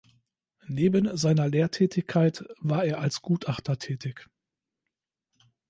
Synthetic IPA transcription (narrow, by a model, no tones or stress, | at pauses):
neːbənzaɪnɐleːɐtʰɛːtʰɪçkʰaɪtvaːɐeːɐʔalsɡ̥uːtʔaχtɐtʰɛːtɪç